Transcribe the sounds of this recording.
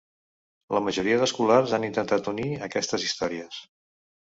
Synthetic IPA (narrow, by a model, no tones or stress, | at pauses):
ləməʒuɾiəðəskularzanint̪ənt̪at̪uniəkɛst̪əzist̪ɔɾiəs